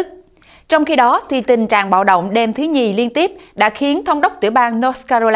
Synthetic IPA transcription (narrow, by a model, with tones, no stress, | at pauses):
t͡ɕɔ˧wŋ͡mxi˧ɗɔ˨˦t̪ʰi˨˩t̪ï˨˩ŋ̟t͡ɕa̰ː˧˨ŋɓa̰ː˧˨wɗo̰˧˨wŋ͡mɗe˧mt̪ʰɨ˨˦ɲi˨˩li˧ənt̪i˦˥əp̚ɗa̰ː˧˥xi˨˦ənt̪ʰə˧wŋ͡mɗə˦˥wk͡p̚t̪ɨ̰˧˩ɓaː˧ŋnɔ˨˦˥ska˧zo˧l